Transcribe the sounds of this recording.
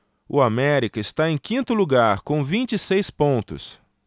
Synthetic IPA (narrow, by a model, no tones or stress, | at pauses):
ʊamɛɾikɐɪst̪aẽj̃kĩnt̪ʊluɡaɾkõw̃vĩt͡ʃisejspõnt̪ʊ̰s